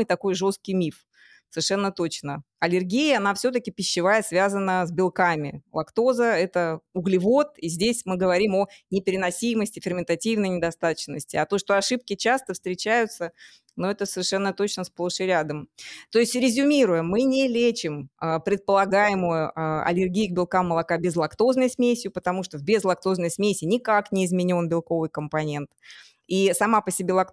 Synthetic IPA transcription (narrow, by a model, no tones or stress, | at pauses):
ɨjt̪ɐko̞jʐo̞st̪̚kʲɪjmʲif | səɪrʂɛnːət̪ot͡ɕnə | ɐlʲɪrɡʲijəɐnafsʲɵt̪əkʲɪpʲɪɕːɪvajəsvʲazənːəzbʲɪlˠkamʲɪ̰lˠɐkt̪o̞zəɛt̪əʊɡlʲɪvo̞t̪izʲdʲesʲmɨɡəvɐɾʲimo̞nʲɪpʲɪɾʲɪnɐsʲiməsʲtʲɪfʲɪrmʲɪnt̪ɐtʲivnəjnʲɪd̪ɐst̪at̪ət͡ɕnəsʲtʲɪɐt̪o̞ʂt̪o̞ɐʂɨp̚kʲɪt͡ɕast̪əfst̪ɾʲɪt͡ɕæjʊt̪sə | noɛt̪əsəvʲɪrʂɛnːət̪o̞t͡ɕnəsplˠoʂɨɾʲad̪əmt̪o̞ɪsʲtʲɾʲɪzʲʊmʲiɾʊjɪmːɨnʲɪlʲet͡ɕɪməpɾʲɪt̪̚pəlˠɐɡajɪmʊjʊʔəɐ̰lʲɪrɡʲijɪɡ̚bʲɪlˠkamːəlˠɐkabʲɪzlˠɐkt̪o̞znəjsmʲesʲɪjʊpət̪ɐmuʂt̪obʲɪzlˠɐk̚t̪o̞znəjsmʲesʲɪnʲɪkaknʲɪːzmʲɪnʲo̞nbʲɪlˠko̞vɨjkəmpɐnʲe̞nt̪ | isɐmapəsʲɪbʲe̞lˠɐk